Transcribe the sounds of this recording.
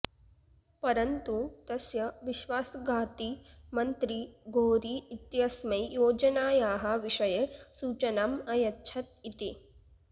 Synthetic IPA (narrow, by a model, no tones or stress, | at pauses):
pɐɾɐnt̪ut̪ɐsjɐʋiʃʋaːsɐɡʱaːt̪imɐnt̪ɾiɡʱoːɾiːt̪jɐsmɐjjoːd͡ʒɐnaːjaːɦɐʋiʂɐjesuːt͡ʃɐnamɐjɐtːʃʰɐt̪̚it̪i